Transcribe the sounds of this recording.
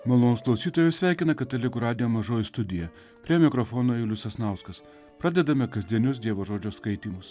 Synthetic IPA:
mɐlˠoːnʊsklˠɐʊsʲiːt̪oːjɛsʲʋʲæˑɪkʲɪnɐkɐt̪ʲːɛlʲɪɡʊɾɑːd̪ʲɪjoːmɐʒoːjɪst̪ʊd̪ʲɪjɛ | pʲɾʲiɛmʲɪkɾɔfoːnoːjɪlʲʊsɐsnɑˑʊskɐs | pɾɑd̪ʲɛd̪ɐmʲɛkɐzʲd̪ʲiɛnʲʊs̬d̪ʲiɛʋoːʒoːd͡ʒʲoːskɐɪt̪ʲiːmʊs

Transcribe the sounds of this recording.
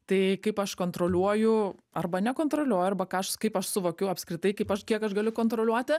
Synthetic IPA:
t̪ɐɪkɐɪpɐʃkoːnt̪ɾoːlʲuɔjʊ | ɐrbɐnʲɛkoːnt̪ɾoːlʲuɔjʊɐrbɐkɑːɐʃkɐɪpɐʃsʊʋoːkʲɛʊɐpskɾʲɪt̪ɐɪkɐɪpɐʃkʲiɛkɐʃɡɐlʲʊkoːnt̪ɾoːlʲuɔt̪ʲɪ

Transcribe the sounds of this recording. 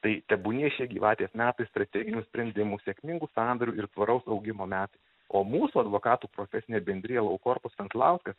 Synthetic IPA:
t̪ɐɪt̪ʲɛbuːnʲiɛʃʲiɛɡʲiːʋɑːt̪ʲiɛsmʲæːt̪ɐɪst̪ɾɐt̪ʲɛːɡʲɪnʲuːsʲpʲɾʲɛnʲd̪ʲɪmuːsʲeɛkʲmʲɪŋɡuːsɑːnd̪ɐɾʲuːɪɾt̪ʋɐɾɐʊsɐʊɡʲɪmoːmʲæːt̪ɐɪ | oːmuːsuːɐd̪ʋoːkɑːt̪uːpɾoːfʲɛsʲɪnʲeːbʲɛnʲd̪ʲɾʲɪjɛlˠɐʊkoːɾpʊsʋʲɛnslˠɑʊskɐs

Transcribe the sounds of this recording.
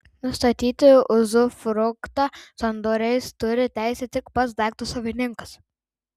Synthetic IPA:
nʊst̪ɐt̪ʲiːt̪ʲɪʊzʊfɾʊkt̪ɐsɔnd̪oːɾʲɛɪst̪ʊɾʲɪt̪ʲæˑɪsʲɛt̪ʲɪkpɐt̪sd̪ɑːk̚t̪osɐʋʲɪnʲɪŋkɐs

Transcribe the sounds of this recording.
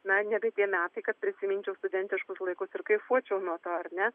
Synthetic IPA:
nɐnʲɛbʲɛt̪ʲiɛmʲæːt̪ɐɪkɐt̪̚pʲɾʲɪsʲɪmʲɪnʲt͡ʃʲɛʊst̪ʊd̪ʲɛnʲt̪ʲɪʃkʊslˠɐɪkʊsɪɾkɐɪfuɔt͡ʃʲɛʊnuɔt̪oːɐɾnʲɛ

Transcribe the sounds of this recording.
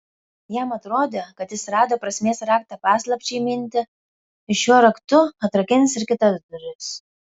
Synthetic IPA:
jæmɐt̪ɾoːd̪ʲekɐt̪jɪsɾɑːd̪oːpɾɐsʲmʲeɛsɾɑːk̚t̪ɐpɑːslˠɐpʲt͡ʃʲɛɪmʲɪnʲt̪ʲɪ | ɪʃʲuɔɾɐkt̪ʊɐt̪ɾɐkʲɪnʲsɪɾkʲɪt̪ɐd̪ʊɾʲɪs

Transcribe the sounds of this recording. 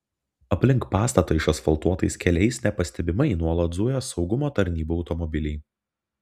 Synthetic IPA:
ɐpʲlʲɪŋkpɑːst̪ɐt̪oːɪʃɐsfɐlˠt̪uɔt̪ɐɪskʲɛlʲɛɪsʲnʲɛpɐsʲt̪ʲɛbʲɪmɐnuɔlˠɐt̪d̪zujɛsɒʊɡʊmoːt̪ɐɾʲnʲiːbuːɒʊt̪ɔmɔbʲɪlʲɪɪ

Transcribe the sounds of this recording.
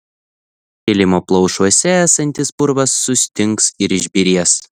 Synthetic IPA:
kʲɪlʲɪmoːplˠɒʊʃuɔsʲɛæsɐnʲt̪ʲɪsbʊɾʋɐsːʊsʲt̪ʲɪŋksɪɾɪʒʲbʲɪɾʲiɛs

